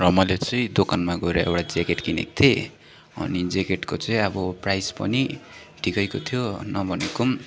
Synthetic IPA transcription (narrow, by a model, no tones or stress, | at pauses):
rʌmʌlet͡sʌĩd̪okanmaɡʌeɾʌḛwʈad͡zekeʈkinḛk̚t̪ʰe | ʌ̰nid͡zekeʈkot͡sʌĩʌbʌprajspʌ̰ni | ʈikʌjkot̪ʰijonʌbʱʌnekum